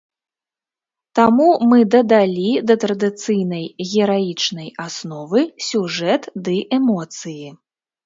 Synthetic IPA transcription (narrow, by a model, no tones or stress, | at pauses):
t̪amumɨd̪ɐd̪alʲid̪ɐt̪ɾɐd̪ɨt̪sɨjnɐjɣʲɛɾajit͡ʂnɐjasnɔvɨsʲuʐɛt̪d̪ɨʔɛmɔt̪sɨji